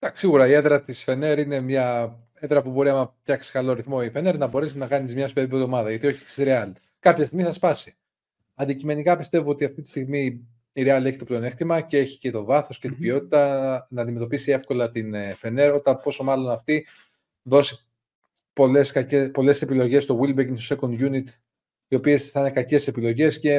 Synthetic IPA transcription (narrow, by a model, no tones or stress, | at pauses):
d̪ɐksiɣuɾɐie̞ðɾɐt̪isfe̞ne̞ɾine̞mɲɐ | eðɾɐpubo̞ɾiɐmɐpçɐksi̥kɐlo̞ɾiθmo̞ife̞ne̞ɾnɐbo̞ɾe̞siznɐkɐnizmɲɐsupeɾipeðo̞mɐðɐʝɐt̪io̞çeksiɾeɐl | kɐpçɐst̪iɣmiθɐspɐsi | ɐnd̪icime̞nikɐpist̪e̞voo̞t̪iɐft̪it̪i̥st̪iɣmi | iɾeɐleçi̥t̪o̞plenext̪imɐcee̞çi̥ce̞t̪o̞vɐθo̞sce̞t̪ibio̞t̪i̥t̪ɐnɐnd̪ime̞t̪o̞pisie̞fko̞lɐt̪infe̞ne̞ɾo̞t̪ɐpo̞so̞mɐlonɐft̪i | ðo̞si | poleskɐcepo̞le̞se̞pilo̞ʝe̞st̪o̞wilbeiŋsosekond̪ʝunit̪ | io̞pie̞sθɐinekɐce̞se̞pilo̞ʝe̞sce̞